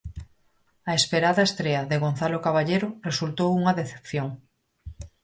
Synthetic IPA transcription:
aespeɾaðɐest̪ɾeɐðeɣonθalokaβaʎeɾoresult̪owuŋɐðeθe̥pθjoŋ

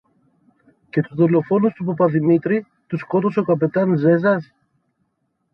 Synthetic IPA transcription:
ce̞t̪uzðo̞lo̞fo̞nust̪upopɐðimit̪ɾi | t̪usko̞t̪o̞so̞kɐpe̞t̪ɐnze̞zɐs

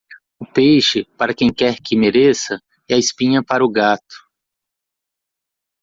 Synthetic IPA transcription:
ʊpejʃɪpaɾɐkẽj̃kɛɾkɪmeɾesɐ | ɛɐɪspĩɲɐpaɾʊɡat̪ʊ̥

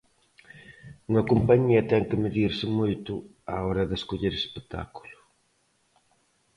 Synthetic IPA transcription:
uŋɐkompɐɲiɐt̪ɛŋkɪmeðiɾsɪmojt̪ʊ | aɔɾɐðɪeskoʎeɾespet̪a̰ku̥lʊ̥

